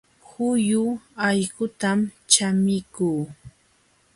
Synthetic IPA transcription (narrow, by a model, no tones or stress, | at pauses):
hʊjʊajɢʊt̪amt͡ʃamɪkuː